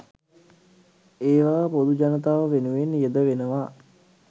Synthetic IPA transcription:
eːʋaːpod̪ud͡ʒanət̪aːʋəʋenuʋenijəd̪əʋenəʋa

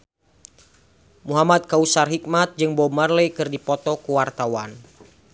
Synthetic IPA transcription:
muɦamat̪̚kausarɦik̚mat̪̚d͡ʒɨŋbɔmarləkɨrdipɔt̪ɔkuwart̪awan

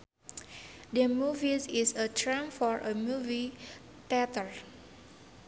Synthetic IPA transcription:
dəmuvisisətʰɹɛ̃mfɔɹʔəmuvi | t̪ɛtəɹ

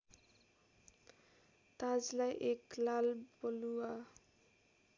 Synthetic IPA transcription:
t̪ad͡zlajʔeklalboluwa

